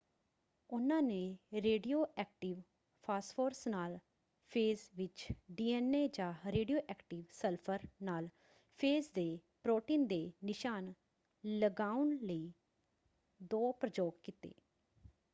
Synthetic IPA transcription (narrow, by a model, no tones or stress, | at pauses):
ʊnãːnẽːɾeːɖijoːʔɛːkʈɪʋ | pʰaːspʰoːɾsnaːl | pʰeːzʋɪt͡ʃɖiːɛːneːd͡ʒãːɾeːɖijoːʔɛːkʈɪːʋsəlpʰəɾnaːl | pʰeːzd̪eːpɾoːʈiːnd̪eːnɪʃaːn | ləɡaːʊnləiː | d̪oːpɾəd͡ʒoːkkiːt̪ḛː